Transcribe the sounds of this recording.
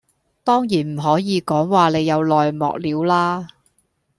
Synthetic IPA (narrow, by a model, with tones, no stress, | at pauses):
t̪ɔː˥ŋjiː˨˩nm̩˨˩ɦɔː˨˥jiː˨˧kɔː˨˥ŋwaː˨˧ne˨˧jɐ˨˧wlɔː˨jmɔ̰ː˨k̚liː˨˧wlaː˥